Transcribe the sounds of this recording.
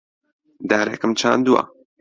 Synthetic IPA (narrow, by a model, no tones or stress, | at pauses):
d̪aːɾḛkɨmt͡ʃʰaːnd̪ua̰